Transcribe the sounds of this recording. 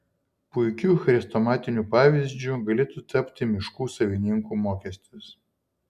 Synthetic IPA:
pʊɪkʲuːxɐɾʲɪst̪ɔmɑːt̪ʲɪnʲuːpɑːʋʲɪzʲd͡ʒʲuɡɐlʲɪt̪ʊt̪ɐpʲt̪ʲɪmʲɪʃkuːsɐʋʲɪnʲɪŋkuːmoːkʲɛsʲt̪ʲɪs

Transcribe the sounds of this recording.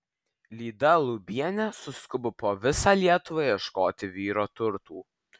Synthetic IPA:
lʲiːd̪ɐlˠʊbʲiɛnʲɛsʊskʊbʊpoːʋʲɪsɑːlʲiɛt̪ʊʋɑjiɛʃkoːt̪ʲɪʋʲiːɾoːt̪ʊɾt̪uː

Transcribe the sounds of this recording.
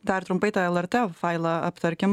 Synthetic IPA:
d̪ɐɾt̪ɾʊmpɐɪt̪ɑɛlˠɛɾʲt̪ʲɛfɑɪlˠɐɐpt̪ɐɾʲkʲɪm

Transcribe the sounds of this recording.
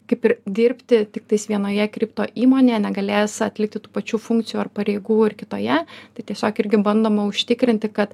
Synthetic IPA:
kɐɪpɪɾd̪ʲɪɾʲpʲt̪ʲɪt̪ʲɪk̚t̪ɐɪsʋʲiɛnoːjɛkɾʲiːpt̪oːʔiːmoːnʲeːjɛnʲɛɡɐlʲeːsɐt̪ʲlʲɪk̚t̪ʲɪt̪uːpɐt͡ʃʲuːfʊŋk̚t̪t͡s̪sʲɪjuːɐrpɐɾʲeɪɡuːɪrkʲɪt̪oːjɛt̪ɐɪt̪ʲiɛsʲoːkɪɾʲɡʲɪbɐnd̪oːmɐʊʃʲt̪ʲɪkɾʲɪnʲt̪ʲɪkɐt̪

